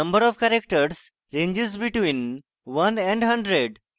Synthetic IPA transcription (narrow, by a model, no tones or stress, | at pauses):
ə̃mbəɾɔʋkæɾek̚ʈəɾs | ɾẽɲd͡ʒizbiʈʋĩn | ʋʌ̃nɛ̃ɳɖɦʌ̃ɳɖɾeɖ